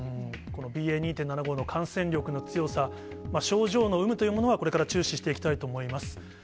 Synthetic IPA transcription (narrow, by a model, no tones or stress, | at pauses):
ɯ̃ | ko̞no̞bʲiːe̞ːɲ̟iːt̪enːanaɡo̞ːno̞kʰãɰ̃sẽ̞nɾʲo̞kɯ̟no̞t͡sɨjo̞sa | maɕo̞ːʑo̞ːno̞ɯ̟mɯ̟t̪o̞jɯːmo̞noβ̞ako̞ɾe̞kaɾat͡ɕɨːɕiɕi̥t̪e̞ikʲi̥t̪ait̪o̞ːmo̞imasɨ̥